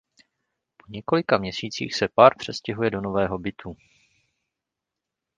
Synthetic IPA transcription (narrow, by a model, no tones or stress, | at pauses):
po̞ɲɛko̞lɪkamɲɛsiːt͡sḭːxsɛpaːɾpr̝̥ɛscɛɦujɛdo̞no̞vɛːɦo̞bɪt̪ʰu